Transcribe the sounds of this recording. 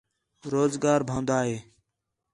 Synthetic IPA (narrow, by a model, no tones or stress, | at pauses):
ɾoːzɡaːɾbʱãːnd̪aːɦeː